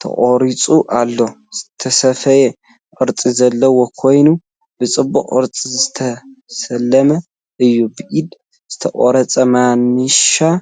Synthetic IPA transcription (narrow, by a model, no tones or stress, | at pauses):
t̪ʰɐ̰χʼoɾit͡sʼuʔalːozɨt̪ʰɐsɐfɐje | ʔʼɨɾt͡sʼizɐlːɐwo̞kʰo̞jnu | bɨt͡sʼɨbːṵχʼɨ̰ɾt͡sʼizɨt̪ʰɐsɐlːɐmɐ | ʔɨjːubɨʔid̪ | z̥ɨt̪ʰɐʔʼo̰ɾɐt͡sʼɐmanːɨʃa